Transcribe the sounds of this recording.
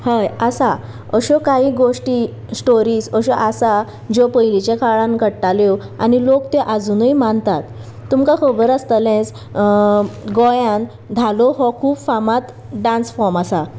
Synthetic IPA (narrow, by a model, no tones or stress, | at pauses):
həjasa | əɕɔkaɦiːɡoʂʈiː | sʈoɾiːsəɕɔʔasa | d͡ʑopəjlit͡ɕekʰaɭãnɡəɽʈaljo | a̰nilokt̪eʔad͡zunəjmant̪at̪ː | umkãkʰəbəɾəst̪əlẽt͡s | ɡɔjãn | d̪ʱalɔɦɔkʰuːbfamat̪ | ɖãnsfɔɾmasa